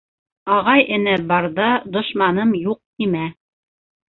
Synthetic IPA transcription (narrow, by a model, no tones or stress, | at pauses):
ɑʁɑjɘ̆næbɑɾðɑd̪ŏʃmɑnɤmjuq̪̚imæ